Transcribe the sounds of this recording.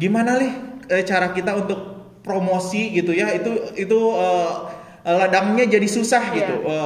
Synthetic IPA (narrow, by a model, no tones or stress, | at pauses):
ɡimanalɪhət͡ʃaɾakit̪aunt̪ʊk̚ | pɾomosiɡit̪ujait̪uit̪uəː | əladaŋɲad͡ʒadisusahɡit̪uʔə